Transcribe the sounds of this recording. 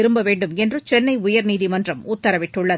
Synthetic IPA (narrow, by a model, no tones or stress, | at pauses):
ɪɾɯmbɐʋeːɳɖɯmɛndrɯt͡ʃɛnːɐɪʊjɐɾniːðimɐndrɐmʊt̪ːɐɾɐʋɪʈːɯɭːɐ